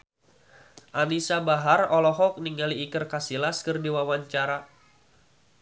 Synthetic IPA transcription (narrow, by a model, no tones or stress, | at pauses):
ʔanisabaɦarɔlɔɦɔk̚niŋɡaliːkɨrkasilaskɨrdiwawaɲt͡ʃaɾa